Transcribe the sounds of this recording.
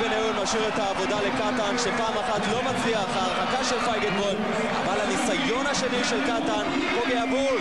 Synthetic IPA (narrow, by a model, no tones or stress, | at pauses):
beneumaʃiʁet̪aːvo̞d̪ale̞kat̪anʃepaːmaχat̪lo̞mat͡siaχhaːʁχakaʃelfajɡed̪bol | a̰valhanisajo̞nhaʃe̞niʃe̞lkat̪an | ʁoɡeabul